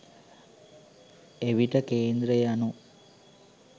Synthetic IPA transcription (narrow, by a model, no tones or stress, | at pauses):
eʋiʈəkeːnd̪ɾəjanu